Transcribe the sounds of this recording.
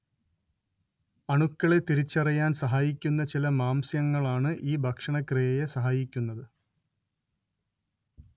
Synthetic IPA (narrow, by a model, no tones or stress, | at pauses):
ɐɳukːɐɭe̞t̪iɾit͡ɕːɐrijaːnsɐɦaːjikʲːun̪ːɐt͡ɕilɐmaːmsjɐŋːɐɭaːɳɨʔiːbʱɐkʂɐɳɐkrɨjejesɐɦaːjikʲːunːɐðɨ